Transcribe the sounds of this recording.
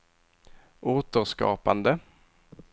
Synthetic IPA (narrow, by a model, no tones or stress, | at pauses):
ʔoːt̪əɾskɑ̰ːpand̪ə